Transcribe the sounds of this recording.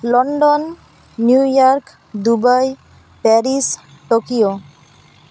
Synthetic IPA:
lɔɳɖonː | ujɔɾk | d̪ubaj | pɛɾis | ʈokio

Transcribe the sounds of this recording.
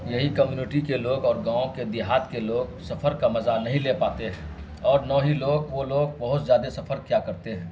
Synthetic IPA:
jɐɦikəmjuːnɪʈikeloːɡɔːɾɡãːõked̪ɪɦaːd̪keloːɡsɐpʰəɾkamɐzanɐɦĩlepaːt̪eɦɛ̃ː | ɔːɾnɔːɦiloːɡʋoloːɡ̚bɐɦʊt̪zjaːd̪esɐfʰəɾkjakɐɾt̪eɦɛ̃ː

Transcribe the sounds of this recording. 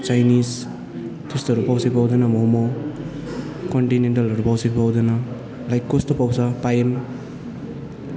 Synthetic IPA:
t͡ʃajnis | tʰustaɾupawsepawd̪anamowmo | kɔnʈinenʈalaɾupawsepawd̪ana | lajkːostopawsapajem

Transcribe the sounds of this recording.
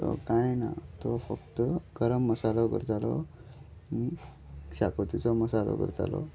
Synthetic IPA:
ɔ̰kajena̰t̪ɔfəkt̪əɡ̥əɾəmːəsalɔɡə̰ɾd͡zalɔ | mi | ɕakot̪it͡sɔməsalɔ̰ɡə̰ɾd͡za̰lɔ

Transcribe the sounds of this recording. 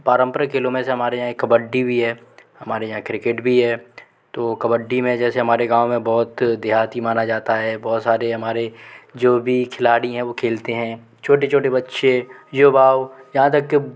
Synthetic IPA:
paːɾə̃mpəɾəkɪlomẽseɦɐmaːɾejɦãekːɐbəɖːibʱiɦɛːɦɐmaːɾejɐɦãkɾɪkɪʈbʱiɦɛː | t̪oːkɐbəɖːimẽd͡ʒɛːseɦɐmaːɾeɡãːwmẽbɔːt̪d̪eɦaːt̪imaːnad͡ʒaːt̪aɦɛːbɔːt̪saːɾeɦɐmaːɾed͡ʒoːbʱikʰɪlaːɽiɦɛ̃ʋokʰeːlt̪eɦɛ̃ | t͡ʃʰoːʈ̬et͡ʃʰoːʈebɐtːʃejoːbaːojɐɦãt̪ɐkː

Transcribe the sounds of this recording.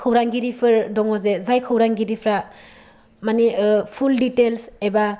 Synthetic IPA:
kʰɯwɾaŋɡiɾipʰɯɾdɔŋɔzezajkʰɯwɾaŋɡiɾipʰɾa | manipʰulditelseba

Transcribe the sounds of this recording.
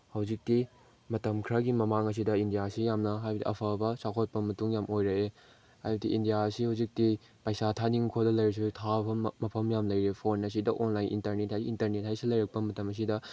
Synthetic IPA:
hɐwzik̚ti | mɐtɐmkʰɾɐɡimɐmaŋɐs̬idɐindijasijamnɐɦajbɐdḭʔɐ̰pʰɐbɐsakʰot̚pɐmɐtuŋjamojɾɐe | hajbɐdiindijaɐsihɐwzik̚ti | pɐjsatʰaniŋkʰodɐlɐjɾɐks̬utʰabɐmɐpʰɐmjamlɐjɾepʰonɐs̬idɐʔonlajnʔḭntɐɾnethajiːntɐɾnet̚hajsilɐjɾɐk̚pɐmɐtɐmɐs̬idɐ

